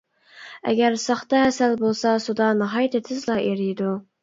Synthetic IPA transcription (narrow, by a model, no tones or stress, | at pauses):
ɛ̰ɡʲæɾsɑχt̪ɑhɛsælbolˠsɑsud̪ɑnɨɦɑjt̪ʰɪt̪ʰɪzlˠɑʔeɾɪjd̪u